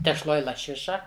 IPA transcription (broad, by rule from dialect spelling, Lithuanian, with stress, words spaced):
tʲɛʃˈlˠoːj lˠɐˈʃʲɪʃɐ